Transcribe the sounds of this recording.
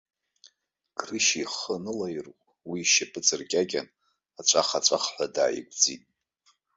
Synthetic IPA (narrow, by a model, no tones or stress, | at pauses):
ɡ̥rɨʃiχənɨlajrʷʼ | wiʃapʼɨt͡sʼɨrkʲʼaɡʲan | at͡ʃʷʰʼaχat͡ʃʷʼaχħʷada̰ːjḭɡʷʼd͡zitʼ